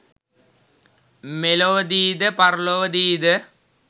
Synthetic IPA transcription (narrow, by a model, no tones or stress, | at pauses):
meloːd̪iːd̪ɨpɐrloːd̪iːd̪ɨ